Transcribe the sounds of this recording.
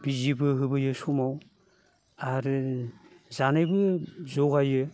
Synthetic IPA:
b̥izibɯɦɯbɯjɯsumaw | aɾɯ | zanɯjbɯzɔɡajɯ

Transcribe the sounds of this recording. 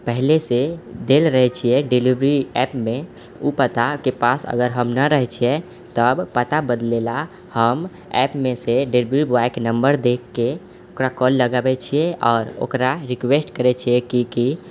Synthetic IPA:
pəɦlesed̪elɾəɦɛt͡ʃʰijɛɖelibɾiɛpme | upət̪akepasə̰ɡəɾɦəmnəɾəɦɛt͡ʃʰiɛ | t̪əbpət̪abəd̪lela | həm | ɛpmeseɖelibɾibaknəmbəɾd̪ekːe | okɾakɔlːəɡabɛt͡ʃʰijɛɔːɾo̰kɾaɾikwesʈkəɾɛt͡ʃʰiɛkiki

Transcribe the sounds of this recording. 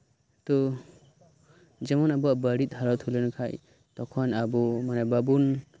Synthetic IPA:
t̪ɔ | d͡ʒɛmɔnabuabəɾit̪̚ɦaɾɔt̪ʰulenukʰaj | tɔkʰɔnabɔmanebabun

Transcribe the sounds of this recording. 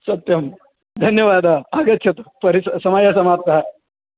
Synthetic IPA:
sɐt̪jɐm | d̪ʱɐnjəʋad̪aaɡɐt̪ːɕʰɐt̪pɐɾisɐsɐmajasɐmad̪̚kɐɦa

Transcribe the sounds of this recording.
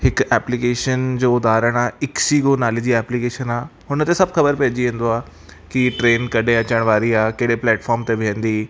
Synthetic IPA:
hɪkɛːplikeːʃənd͡ʑoːd̪aːɾəɽ̃aːɪksiːɡonaːled͡ʑiɛːplikeːʃənaːɦʊnət̪esɐbxɐbəɾpeːd͡ʑiẽːn̆d̪oaː | kiʈɾeːnkɐɗʱẽɐt͡ɕəɽ̃ʋaːɾiaːkeɪɽeplɛːʈfɔːɾmt̪eʋẽːnd̪iː

